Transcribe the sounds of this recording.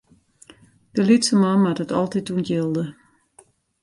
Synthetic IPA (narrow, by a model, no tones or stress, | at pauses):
d̥əlitsəmɑnmatətɔlˠtitunjɪlˠdə